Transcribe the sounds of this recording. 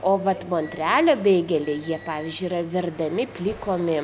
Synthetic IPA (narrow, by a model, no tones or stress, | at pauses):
oːʋɐt̪moːnʲt̪ʲɾʲæːlʲoːbʲeːɡʲɛlʲeːjiɛpɑːʋʲɪzʲd͡ʒʲʊiɾɐʋʲɪrd̪ɐmʲɪpʲlʲiːkoːmʲɪ